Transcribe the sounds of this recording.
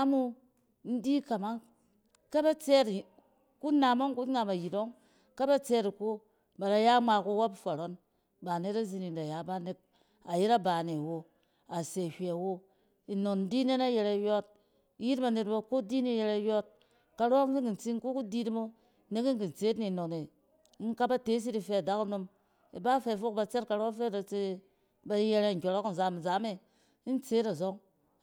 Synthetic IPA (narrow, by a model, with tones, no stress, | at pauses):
a˦mu˦ | n̩˦di˦ka˨ma˦ŋ | ka˦ba˦t͡se˦t | ku˦na˨mo˦ŋ˦ku˦a˨ma˨ji˨to˦ŋ | ka˦ba˦t͡se˦ti˨ko˦ | ba˨ɾa˨ja˦ma˨ku˦wa˦pfa˨ɾo˦n | ba˨ne˦ta˦zi˧ni˨nda˨ja˨˦ba˦ne˨t̚ | a˨ji˦ɾa˦ba˨ne˨wo˦ | a˨se˨hʲe˨wo˦ | i˨no˨n̩˦di˦ne˦na˦je˨ɾa˨jo˦t̚ | ji˦tba˨ne˨t̚ba˨ko˦di˦ni˨˦je˧ɾe˦jo˦t̚ | ka˦ɾi˦ki˨n̩˨t͡si˦ŋ̩˦ku˦ku˦di˦dmo˦˨ | ne˦ki˦ŋ̩˨ki˨n̩˨t͡se˨˦tni˨no˨ne˨˦ | ka˦ba˦te˦s̬i˦ti˨fe˦a˨da˦ku˦no˦m | i˨ba˦fe˨fo˦k̚ba˨t͡se˦t̚ka˨ɾfe˦da˨t͡se˦ | ba˦je˦ɾe˦ŋ̩˨kʲo˨ɾo˦kn̩˨za˨˦m̩˨za˨˦me˦ | n̩˦t͡se˦ta˨zo˦ŋ